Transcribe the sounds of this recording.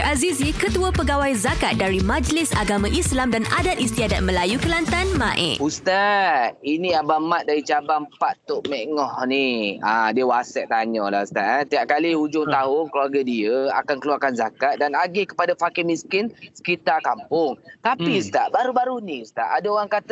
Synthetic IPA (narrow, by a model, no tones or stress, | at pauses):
ʔazizikət̪uəpəɡawajzakat̪̚daɾimãd͡ʒlɪsaɡamãʔislamdanadat̪̚ist̪iadat̪̚məlajukəlant̪anmãʔɪ̰ust̪ainĩabamat̪̚daɾit͡ʃabaŋpat̪ʊʔmɛŋɔhniadiəwasɛʔ̚t̪aɲɔla̰hust̪aʔt̪iaʔ̚kaliud͡ʒʊŋt̪aɦʊŋkəluaɡadiəa̰kankəluarkanzakat̪̚danaɡekə̥padafakɪmĩskɪnsə̥kit̪arkampʊŋt̪apiust̪aʔbaɾubaɾunĩust̪a̰ʔadaoɾaŋkat̪